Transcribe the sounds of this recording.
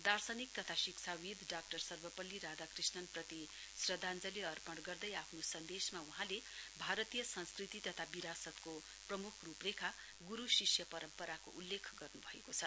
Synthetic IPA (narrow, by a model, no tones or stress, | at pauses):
d̪arsʌnik̚t̪ʌt̪ʰasik̚t͡sʰawid̪ʱɖak̚ʈʌrsʌrbʌpʌlːiɾad̪akrisnʌnprʌt̪i | srʌd̪ʱand͡zʌleʌrpʌɳɽɡʌrd̪ʌjapʰnosʌnd̪esmauɦãlebʱaɾʌt̪ijʌsʌnskrit̪it̪ʌt̪ʰabiɾasʌt̪ko | prʌmukʰruprekʰa | ɡuɾusisjʌpʌɾʌmpʌɾako̰ʔulːekʰɡʌrnubʱʌekot͡sʰʌ